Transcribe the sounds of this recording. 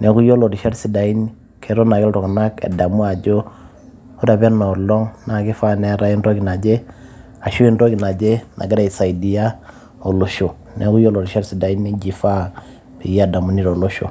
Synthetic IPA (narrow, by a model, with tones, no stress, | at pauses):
nʔe˨˦ku˦jo˦lo˨di˨ʃa˦ɾsi˨da˨i˦n | kʰe˨˦ɾo˦na˨ɡɛ˦lɾo˨kna˦kḛ˨da˨mu˦a˨d͡ʒo˦ | u˦da˨be˦ɾno˨ɾlo˦ŋna˨ɡi˦fa˦ne˨˦ɾa˨i˦nɾo˦ɡi˨na˨d͡ʒe˦ | a˨ʃu˦i˦nɾo˦ki˨na˨d͡ʒe˦nʔa̰˨ɡi˦ɾa˦˨i˨sa˨i˨di˨ja˦ | o˨lo˨ʃo˨ | nʔe˨˦ku˦jo˦lo˨di˨ʃa˦ɾsi˨da˨i˦ni˦d͡ʒi˨fa˦ | pi˨ja˦˨da˨mu˨˦ni˦ɾo˨lo˦ʃo̰˨